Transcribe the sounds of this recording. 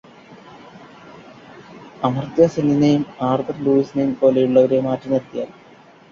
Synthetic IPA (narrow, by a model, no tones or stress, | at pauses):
ɐmɐrt̪jaːseninɐjumaːrt̪ɐrluːisinɐjumpo̞ːlejuɭːɐʋɐɾemaːtːɐmeɾt̪ːijaː